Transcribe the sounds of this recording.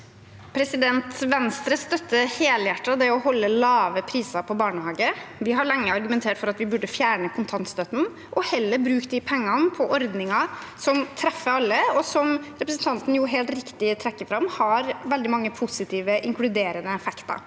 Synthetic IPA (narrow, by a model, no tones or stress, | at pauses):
pʰɾɛsɪd̪ɛnt̪ʋɛnst̪ɾəst̪œt̪ːəheːljæʈːɑd̪ɛɔhɔlːəlɑːʋəpʰɾiːsɑɾpʰɔbɑːɳəhɑːɡəʋɪɦɑɭɛŋːəɑɾɡʉmɛnt̪ʰeːʈfɔɾɑt̪ʋɪbʉɖːəfjæːɳəkʰʊnt̪ʰɑnt̪st̪œt̪n̩ | ʔɔhɛlːəɾbɾʉːkt̪̚d̪ɪpʰɛŋːɑnəpʰɔʔɔɾd̪nɪŋɑsɔmt̪ʰɾɛfːəɾɑlːəɔsɔmɾɛpɾəsn̩t̪ʰɑnt̪n̩jʊɦeːlt̪ɾɪkt̪ɪt̪ʰɾɛkːəfɾɑmhɑɾʋɛld̪ɪmɑŋːəpʰʊsɪt̪ʰiːʋəʔɪŋklʉd̪eːɾənəɛfɛkt̪ɑ̰